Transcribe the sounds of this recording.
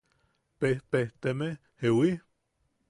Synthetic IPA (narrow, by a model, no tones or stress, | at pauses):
peht̪eht̪eme | hewi